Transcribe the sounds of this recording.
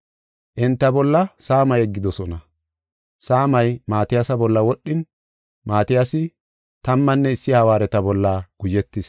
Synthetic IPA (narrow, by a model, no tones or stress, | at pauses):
ʔɪnt̪ːɐbɔlːɐsaːmɐjɛɡːɪd̪ɔsɔnɐ | saːmɐjmaːt̪ɪjasɐbɔlːɐwɔɗːɪn | maːt̪ɪjasɪ | t̪ɐmːɐnːɛɪsːɪhɐwaːɾɛt̪ɐbɔlːaɡ̥ʊd͡ʒɛt̪ːɪs